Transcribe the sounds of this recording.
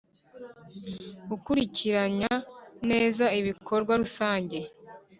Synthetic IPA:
ukuɾiciɾaɲane̞ːzaiβikʰo̞ɾɡwaɾusaːɲɟe̞

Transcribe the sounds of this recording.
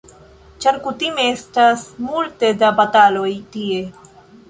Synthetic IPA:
t͡ʃɐɾkut̪imeːsʈɐsmuːlt̪ed̪abɐt̪aːloit̪ie

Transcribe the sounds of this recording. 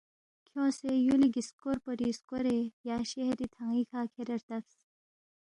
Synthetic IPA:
kʰjõːsejuliɡiskoɾpəɾiskoɾejaːɕeɦɾit̪ʰaŋikʰaːkʰeɾɐɾt̪ɐfs

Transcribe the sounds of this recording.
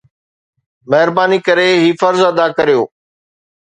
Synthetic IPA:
mɐɦɪɾbaːnikɐɾeɦiːfɐɾzɐd̪akɐɾijoː

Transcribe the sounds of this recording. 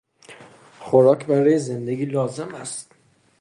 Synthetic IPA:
xo̞ɾɒːcʰbæɾɒːjezend̪e̞ɡʲiːlɒːze̞mæst̪

